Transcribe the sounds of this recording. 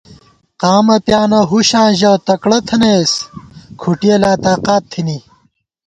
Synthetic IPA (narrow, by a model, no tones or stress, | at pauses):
qaːmɐpjaːnɐɦuɕãːʑɐwt̪ɐkɽɐt̪ʰɐneskʰuʈielaːt̪aːqaːt̪ʰːini